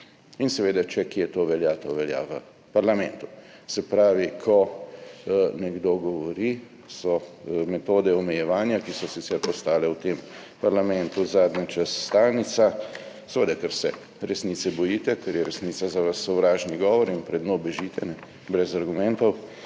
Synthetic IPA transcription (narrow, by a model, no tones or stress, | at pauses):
insɛʋeːd̪at͡ʃɛkjet̪oːʋɛljat̪oʋɛlja̰ʋə | paɾlamɛ̃nt̪usɛpɾaːʋikʰɔ | nɛɡd̪oɡɔʋɔɾi | sɔmɛt̪oːd̪ɛɔmɛjɛʋaːnjakisɔsit̪sɛɾpɔst̪aːlɛwt̪em | paɾlamɛnt̪uzaːd̪nʲat͡ʃasːt̪aːlnit̪sa | sɛʋed̪akəɾsɛ̰ | ɾɛsniːt̪sɛbɔjiːt̪ɛkɛɾjɛɾɛsniːt̪sazaʋasːɔʋɾaːʒniɡɔːʋɔɾinpɾɛd̪nobɛʒiːt̪ɛnɛ | bɾɛzaɾɡumɛ̃nt̪ɔw